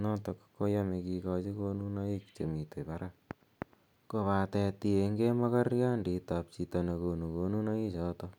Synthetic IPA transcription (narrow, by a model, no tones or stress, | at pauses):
nɔtɔkkːojamekikɔt͡ʃikonunaikt͡ʃemitopaɾa | kopatɛt̪ieŋɡemakarjanditap̚t͡ʃitanakonukonunaisɔt̪o